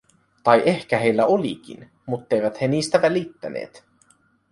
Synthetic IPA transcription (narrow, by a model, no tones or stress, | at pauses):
t̪ɑjʔe̞hk̟æɦe̞jlːæo̞lḭkḭn | mut̪ːejʋæt̪he̞niːst̪æʋælit̪ːæ̰nḛːt̪